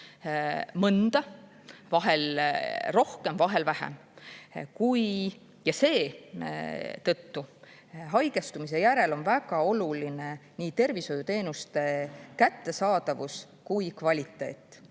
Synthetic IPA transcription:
mɤnd̪̥ɑ | vɑɦelro̞hke̞mvɑɦe̞lvæhḛm | kuj | jɑse̞ː | t̪ɤt̪ːu | ɦɑjɡe̞st̪umis̬e̞jæɾelo̞nvæɡ̥ɑo̞luline̞niːt̪e̞rviso̞jut̪e̞ːnust̪e̞kæt̪ːe̞sɑːd̪̥ɑvus | kujkvɑlʲit̪ːˑe̞̰ːt̪ːˑ

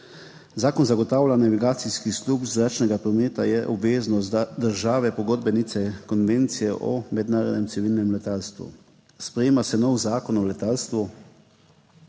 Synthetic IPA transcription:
zaːkɔnzaɡɔt̪aːwlʲanaʋiɡaːt̪siskislupzɾaːt͡ʃnɛɡapɾɔmeːt̪ajɛʔɔbʋeːznɔs̬d̪əɾʒaːʋɛpɔɡoːd̪̚bɛnit̪sɛkɔnʋeːnt̪sijɛʔɔ̰mɛd̪naːɾɔ̰d̪nʲɛmsiʋilnɛmlɛt̪aːlst̪ʋṵ | spɾɛjeːmasɛnɔwzaːkɔnɔlɛt̪alst̪ʋu

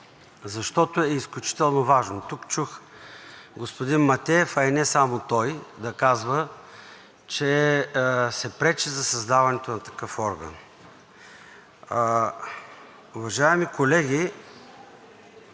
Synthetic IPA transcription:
zɐʃt̪ɔt̪oɛisklʲut͡ʃi̥t̪ɛlˠnovaʒnot̪ukt͡ʃux | ɡospod̪inmɐt̪ʲɛɛfɐinɛsamot̪ɔjd̪ɐkazvə | t͡ʃɛ | sɛpɾɛt͡ʃɛzɐsɐzd̪avɐnɛt̪onɐt̪ɐ̥kɤfɔɾɡə̰n | ʊvɐʒaɛmikolɛɡʲi

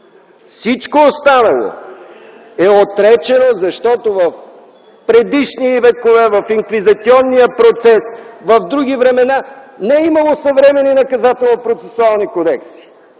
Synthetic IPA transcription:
fsit͡ʃkoːst̪anɐlˠo̰ | ɛot̪ɾɛt͡ʃɛnozɐʃt̪ɔt̪ovɐf | pɾɛd̪iʃnivɛkovɛvɐfiŋkvizɐt̪siɔnːijəpɾot̪sɛsvɐvd̪ɾuɡ̟ivɾɛmɛnanɛimɐlˠosɐvɾɛmɛninɐkɐzat̪ɛlˠnopɾot̪sɛsualˠnikod̪ɛksi̥

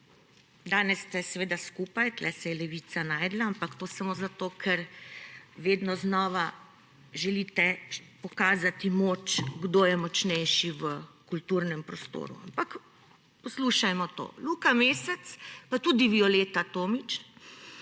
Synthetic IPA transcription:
d̪aːnɛst̪ɛsɛʋeːd̪askuːpajt̪lɛsɛjɛlɛʋiːt̪sanaːjd̪laampakt̪oːsamozat̪oːkʰɛɾ | ʋeːd̪nɔznɔːʋa | ʒɛliːt̪ɛpɔkaːzat̪imoːt͡ʃɡd̪oːjɛmɔt͡ʃnɛjʃiʋəkult̪uɾnɛmpɾɔst̪o̰ːɾṵampak | pɔsluːʃajmɔt̪o̰ːlukameːsɛt̪spat̪uːd̪iʋiɔleːt̪at̪oːmit͡ʃ

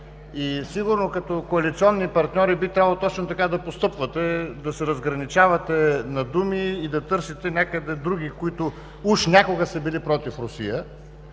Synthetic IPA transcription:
isiɡʊɾnokɐt̪ɔkoɐlit̪siɔnːipɐɾt̪nʲɔɾibit̪ɾʲabɐlˠot̪ɔt͡ʃnot̪ɐkad̪ɐpost̪ɤpvɐt̪ɛd̪ɐsɛɾɐzɡɾɐnit͡ʃavɐt̪ɛnɐd̪umiːd̪ɐt̪ɤɾsit̪ɛnʲakəd̪ɛd̪ɾuɡ̟ikoit̪ʊ | uʃnʲakʊɡəsɐbilipɾɔt̪ifɾʊsḭjə

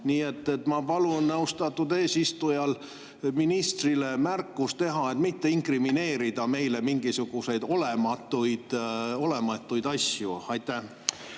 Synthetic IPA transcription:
niːe̞t̪ːet̪ːmɑpɑlunːɑwst̪ɑt̪ːud̪e̞ːsist̪ujɑl | minist̪rile̞mærkːˑust̪e̞ɦɑe̞t̪mit̪ːe̞iŋkrimine̞ːɾid̪̥ɑme̞jle̞miŋɡ̥isuɡ̥use̞jd̪̥o̞le̞mɑt̪ːˑujd̪̥o̞le̞mɑt̪ːˑujd̪ɑsjṵɑjt̪ːæ

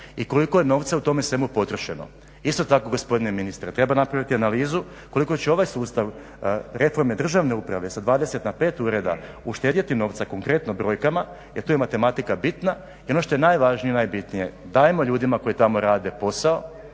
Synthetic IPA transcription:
iko̞liko̞jeno̞ʋt̪saut̪o̞mesʋe̞mupo̞t̪ɾoʃe̞no̰ | ist̪ot̪ako̞ɡo̞spo̞d̪ine̞minist̪ɾet̪ɾe̞banapɾaʋit̪ianaliːzu | ko̞liko̞t͡ɕeo̞ʋajsuːst̪aʋ | ɾe̞fo̞ɾme̞d̪r̩ʒaʋne̞upɾaʋe̞sad̪ʋaːd̪e̞se̞t̪nape̞ːt̪uɾe̞d̪a̰ | uʃt̪eːd̪jat̪ino̞ːʋt̪sako̞ŋkɾe̞t̪nobɾo̞jkama | jeɾt̪uːjemat̪e̞mat̪ikabit̪na | io̞noʃt̪o̞je̞najʋaʒnijenajbit̪nije̞d̪aːjemo̞ʎuːd̪imako̞jit̪amo̞ɾaːd̪e̞po̞sao̞

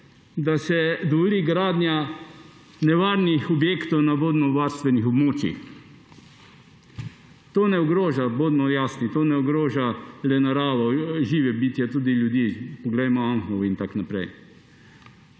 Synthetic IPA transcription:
d̪asɛd̪ɔʋoliːɡɾaːd̪nja | nɛʋaːɾnixɔbjeːkt̪ɔwnaboːd̪mɔʋaːɾst̪ʋɛnixɔbmoːt͡ʃjḭx | t̪oːnɛɔɡɾoːʒaboːd̪mɔjaːsnit̪oːnɛɔɡɾoːʒalɛnaɾaːʋɔʒiːʋɛbit̪jat̪uːd̪iljud̪iːpɔɡlɛjmɔaŋxlɔwint̪aknapɾɛ̰j

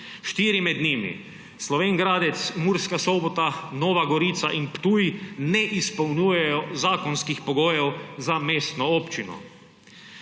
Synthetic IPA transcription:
ʃt̪iːɾimɛd̪nimḭ | slɔʋeːŋɡɾaːd̪ɛt̪smuɾskasɔːbɔt̪anɔːʋaɡɔɾit̪sa̰ʔinpt̪uːjinɛʔispɐwnuːjɛjɔzaːkɔnskixpɔɡoːjɛwzameːst̪nɔɔːpt͡ʃinɔ̰

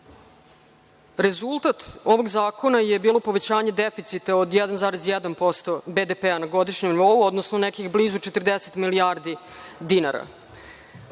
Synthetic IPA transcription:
ɾe̞zulˠt̪at̪o̞ʋo̞ɡzaːko̞naje̞biːlˠo̞po̞ʋe̞t͡ɕaːɲe̞d̪efit̪sit̪aod̪jɛd̪anzaːɾezjɛd̪anpo̞st̪o̞bed̪epeanaɡo̞d̪iʃɲemniʋo̞uo̞d̪nosnonekixbliːzut͡ʃet̪ərd̪eset̪miliaːɾd̪i | d̪inaɾa̰

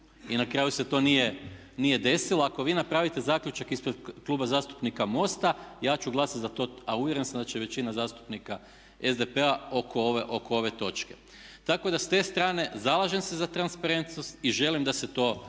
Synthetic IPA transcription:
inakɾaːjuse̞t̪o̞ːnije | nije̞d̪e̞silˠoako̞ʋiːnapɾaːʋit̪e̞zaːkʎut͡ʃakispɾed̪klˠubazaːst̪upnikamo̞st̪ajaːt͡ʃuɡlˠasat̪zat̪o̞ːauʋjeɾe̞nsamd̪at͡ɕeʋe̞t͡ɕinazaːst̪u̥pnika | e̞zd̪epeaokooʋeʔo̞koo̞ʋe̞t̪o̞t͡ʃke̞ | t̪ako̞d̪ast̪e̞ːst̪ɾaːne̞zalˠaʒemsezat̪ɾanspaɾe̞nt̪no̞st̪iʒe̞limd̪ase̞t̪o̞ː

